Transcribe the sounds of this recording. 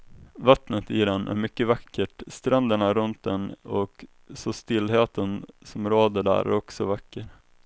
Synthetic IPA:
vat̪nət̪ɪd̪ɛnʔæ̰ɾmʏkːəvakːəʈst̪ɾɛnd̪əɳaɾɵnt̪̚d̪ɛnɔk | sɔst̪ɪlːɦeːt̪ənsɔmɾoːd̪əɖæ̰ːɾæ̰ɾɔksɔvakːəɾ

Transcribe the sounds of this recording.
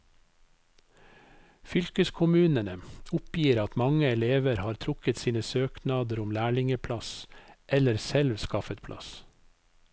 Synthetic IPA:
fʏlkəskʰʊmʉːnənəʊpjiːɾɑt̪mɑŋəɛleːʋəɾhɑːɾt̪ʰɾʊkət̪siːnəsøːknɑːd̪əɾʊmlæːɭɪŋəpʰlɑsʔɛləɾsɛlʋskɑfət̪̚pʰlʔɑ̰s

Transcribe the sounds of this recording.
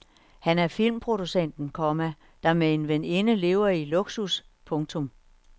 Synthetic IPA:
hænæɐfil̰mpʰʁo̝d̥usen̰d̥n̩kʰɒmæ | d̥ɑ̈mee̝nʋene̝nəle̝ːʊɐiloɡ̥sus | pʰɔ̽ŋt͡sʰɔ̽m

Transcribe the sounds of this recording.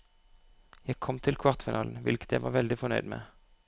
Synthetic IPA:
jæɪkʰɔmt̪ʰɪlkʰʋɑʁt̪fɪnɑːln̩ʋɪ̰lkə̥t̪jæɪʋɑ̰ːʁʋɛld̪ɪfɔnœʏd̪mḛː

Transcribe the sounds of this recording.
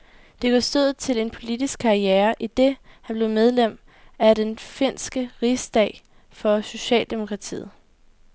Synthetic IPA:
d̥e̝ɡ̥ɒsd̥øð̰̩ˠt͡sʰe̝le̝npʰo̝lid̥isɡ̥̚kʰɑ̈ieːɐʔid̥e̝hænb̥le̝ʊmeð̞ˠlem̰ | æɾenfe̝n̰sɡ̥əʁisd̥ɛ̰ːɪ | fɒ̽so̝ɕɛ̰ːld̥e̝mo̝kʰʁɑ̈t͡sʰḭːð̩ˠ

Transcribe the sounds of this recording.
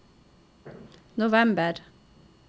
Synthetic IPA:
nʊʋɛmbəɾ

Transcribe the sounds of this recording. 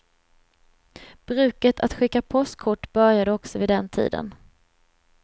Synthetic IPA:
b̥ɾʉ̟ːkət̪ʰat̪ɧɪkːapʰɔst̪kʰʊʈːb̥œɾjad̪əɔksɔvɪd̪ɛnt̪ʰḭːd̪ə̰n

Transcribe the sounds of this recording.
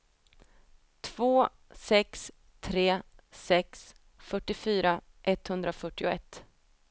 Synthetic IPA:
t̪ʰv̥oː | sɛks | t̪ʰɾeːsɛks | fœʈːɪfyːɾa | ʔɛt̪ːhɵnd̪ɾafœʈːɪʊɛt̪ː

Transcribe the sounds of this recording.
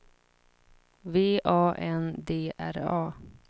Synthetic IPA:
veːʔɑːʔɛnd̪eːʔæɾɑː

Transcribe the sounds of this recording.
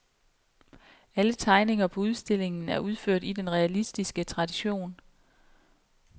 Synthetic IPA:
ælət͡sʰɑ̈ɪne̝ŋɐpʰɒ̽uð̞ˠsd̥e̝le̝ŋn̩æɐʔuð̞ˠføɐ̰d̥id̥enʁɛælisd̥isɡ̥ət͡sʰʁɑ̈d̥iɕo̝̰ːn

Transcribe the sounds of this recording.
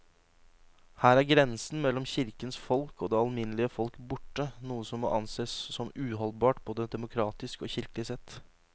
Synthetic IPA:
hæːɾæɾɡɾɛnsn̩mɛlːɔmçɪɾkənsfɔlkɔːd̪eːɑlmɪnəlɪəfɔlkbʊʈːənuːəsɔmːo̰ːʔɑnseːssɔmʉːɦɔlbɑːʈ̚boːd̪əd̪ɛmʊkʰɾɑːt̪ɪskoːçɪɾkəlɪsɛt̪ː

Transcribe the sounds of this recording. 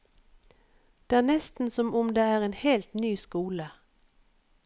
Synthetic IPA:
d̪̥eːæːnɛst̪n̩sɔmʊmd̪eːæːʁeːnheːlt̪nyːskuːlə

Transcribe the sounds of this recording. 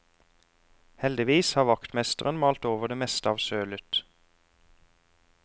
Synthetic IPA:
hɛld̪ɪʋiːshɑːʋɑkt̪mɛst̪əʁənmɑːlt̪oːʋəʁd̪eːmɛst̪əɑːʋsøːlʏt̪

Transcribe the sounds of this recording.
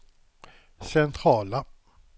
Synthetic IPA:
sɛnt̪ʰɾɑːla

